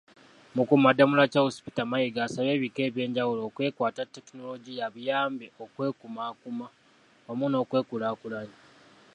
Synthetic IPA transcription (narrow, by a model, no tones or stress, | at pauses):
mukumadːamulacahosi̥pi̥tamajiɡaːsaβe̞ːβike̞ːβje̞ːɲɟawulo̞ːkwe̞ːkwaːtatːe̞kino̞lo̞ɟijaβujaːmbeo̞kwe̞ːkumaːkuma | amuno̞ːkwe̞ːkulaːkulaɲi